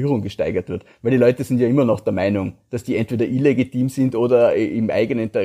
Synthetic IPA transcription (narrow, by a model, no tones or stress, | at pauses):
yːʁʊŋɡəʃtaɪɡɐtv̥ɪɐtvæɪldiːlɔʏtəsɪntjaːɪmɐnɔχd̥ɛːɐmaɪnʊŋd̥asd̥iːɛntv̥eːdɐʔileɡitiːmsɪndoːdɐɪmʔa̰ɪɡənənntə